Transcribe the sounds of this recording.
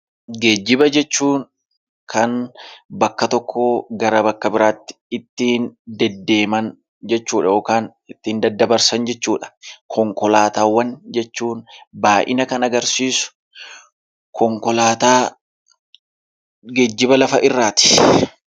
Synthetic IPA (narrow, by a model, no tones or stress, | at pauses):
ɡe̞ːd͡ʒːɪbɐd͡ʒɛt͡ʃːuːŋ | kʰɐnbɐkːɐt̪ɔkʰːoɡɐɾɐbɐkːɐbɪɾaːt̪ːɪ̥ɪt̪ːiːnd̪ɛd̪ːe̞ːmɐn | d͡ʒɛt͡ʃːuːᶑɐjoːkaːn | ɪt̪ːiːnd̪ɐd̪ːɐbɐɾsɐnd͡ʒɛt͡ʃːuːᶑɐ̥kʰɔŋkɔlaːt̪aːwːɐnd͡ʒɛt͡ʃːuːnbaːʔɪ̰nɐkɐnɐɡɐɾsiːsʊ̥ | kʰɔŋkɔlaːt̪aː | ɡeːd͡ʒːɪbɐlɐfɐʔɪrːaːt̪ɪ̥